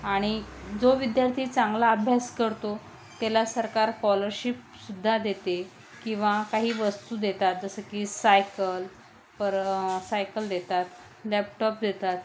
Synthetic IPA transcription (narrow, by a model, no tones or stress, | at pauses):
aɽ̃id͡zoʋid̪jaɾt̪ʰiːt͡sãŋɡlaəbʱjaskəɾt̪o | t̪elasəɾkaɾkɔləɾɕip̚ | sud̪ʱːad̪et̪e | kĩw̃ʋakaɦiːʋəst̪uːd̪et̪at̪̚d͡zəsəkisajkəl | pəɾsajkəld̪et̪at̪ | lɛp̚ʈɔp̚d̪et̪at̪